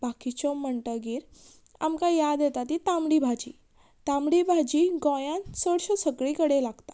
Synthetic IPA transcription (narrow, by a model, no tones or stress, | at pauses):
bakit͡ɕoməɳʈəɡiːɾ | a̰mkajad̪jet̪at̪it̪amɽibʱad͡ʑiː | t̪amɽibʱad͡ʑiːɡɔ̃jansəɽɕɔsəkɭikəɽelaɡt̪ḁ